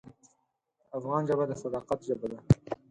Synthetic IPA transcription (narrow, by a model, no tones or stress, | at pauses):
afɣɑnʒabad̪əsad̪ɑqat̪ʒabad̪a